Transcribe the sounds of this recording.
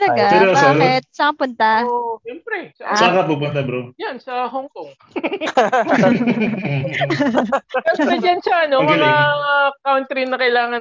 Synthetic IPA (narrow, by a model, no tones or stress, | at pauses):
t̪ɐlɐɡasɛɾobsaaːɪt̪̚sɐpʊnt̪ɐɛmpɾɛsɐsakɐpup̬ʊnt̪ɐbɾojansɐɦoŋkoŋ | kɐsɛd͡ʒɐnsɐʔɐnomɐŋɐkawnt̪ɾinɐkɐjlaːŋɐn